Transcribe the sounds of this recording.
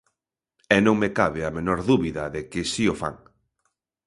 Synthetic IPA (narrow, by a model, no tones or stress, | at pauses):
ɛnõŋmekaβɪamenoɾðuβiðɐðekɪsiofa̰ŋ